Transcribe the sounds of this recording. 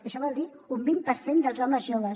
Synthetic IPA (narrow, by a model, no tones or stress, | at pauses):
əʃɔβɔlˠd̪i | umbimpəɾsend̪əlˠzɔməzjoβə